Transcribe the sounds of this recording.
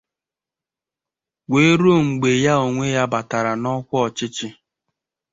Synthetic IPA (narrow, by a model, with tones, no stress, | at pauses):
we˦ɾo˦˨ŋ͡m̩˨ɡ͡be˨ja˦o˨ŋʷe˦ja˦ba˨ta˨ɾa˨nɔ˦kʷɔ˨t͡ʃɪ˦t͡ʃɪ˦